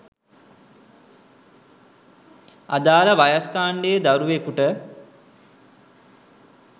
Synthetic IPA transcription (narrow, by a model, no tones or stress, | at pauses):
a̰d̪aːləʋajaskaːɳɖejəd̪aɾuʋekuʈə